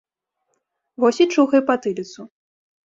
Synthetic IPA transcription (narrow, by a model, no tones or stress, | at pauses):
vɔsʲit͡ʂuɣɐjpɐt̪ɨlʲit̪su